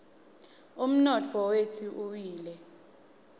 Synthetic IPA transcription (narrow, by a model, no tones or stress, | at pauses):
um̩nɔtʰɔwetʰiʔuwiːlɛ